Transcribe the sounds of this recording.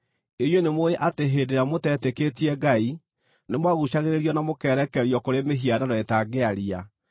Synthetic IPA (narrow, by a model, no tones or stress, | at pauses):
ejwenemoeʔateɦeːdeɾamotɛteketiɛɡai | nemwaɣuɕaɣeɾeɾiɔnamokɛːɾɛkɛɾjɔkoɾemeɦiadaɾɔɛtaɡeaɾia